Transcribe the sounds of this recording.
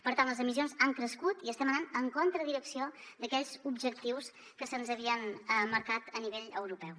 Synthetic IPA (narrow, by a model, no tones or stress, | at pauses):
pəɾt̪anləzəmisionzaŋkɾəskut̪iəst̪ɛmənanəŋkont̪ɾəðiɾəksiod̪əkɛʎzubʒək̚t̪iws | kəsənzəβiənəməɾkat̪əniβeʎəwɾupɛw